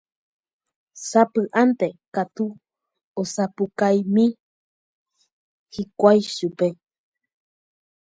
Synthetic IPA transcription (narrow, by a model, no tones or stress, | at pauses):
sapɨʔant̪ekat̪u | osapukajmĩ | hikʷaiʃupe